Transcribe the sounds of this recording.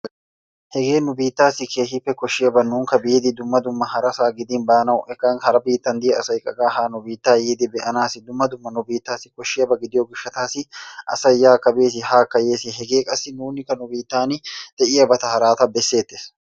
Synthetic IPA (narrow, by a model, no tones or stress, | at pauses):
hɛɡe̞ːnʊbiːt̪ːaːsɪkʰeːhɪpːɛkɔʃːɪɐbɐnuːŋkɐbiːd̪ɪd̪ʊmːɐd̪ʊmːɐhɐɾɐsaːɡɪd̪ɪnbaːnɐwʔɛkːanhɐɾɐbiːt̪ːɐnd̪ijɐsɐjkʼɐɡaːhaːnʊbiːt̪ːaːjiːd̪ɪbɛʔɐnaːsɪd̪ʊmːɐd̪ʊmːɐnʊbiːt̪ːaːsɪ̥kɔʃːɪjɐbɐɡɪd̪ɪjoɡʊʃːɐt̪aːsɪʔɐ̰sɐjːaːkːɐbeːs̬ɪhaːkːɐjeːsɪɛɡe̞ːkʼɐsːɪnuːnːɪkːɐnʊbiːt̪ːaːnɪd̪̥ɛʔɪjɐbɐt̪ɐhɐɾaːt̪ɐbɛsːe̞ːt̪ːɪ̥s